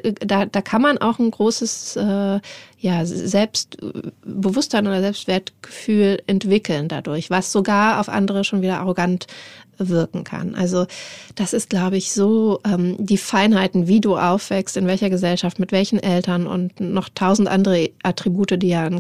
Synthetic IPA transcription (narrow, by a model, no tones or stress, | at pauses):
d̥aːd̥aːkʰanmanʔa̰ʊxn̩ɡʁoːsəsʔɛːjaːzɛlpstbəvʊstz̥aɪnoːdɐzɛlpstv̥eːɐtɡ̥əfyːlɛntv̥ɪkl̩nda̰dʊɐçv̥asz̥oɡaːɐa̰ʊfʔa̰ndəʁəʃoːnviːdɐʔa̰ʁoɡantvɪɐkŋ̩kʰa̰nʔa̰lzod̥asɪst̚ɡ̥laʊbəɪçz̥oːʔɛːmdiːfaɪnhaɪtn̩viːduːʔaʊfv̥ɛkstɪnvɛlçɐɡəzɛlʃaftmɪtv̥ɛlçn̩ʔɛltɐnʊ̰ntnɔχtʰaʊzn̩tʔa̰ndəʁəʔatʁ̥ibuːtədiːjaːn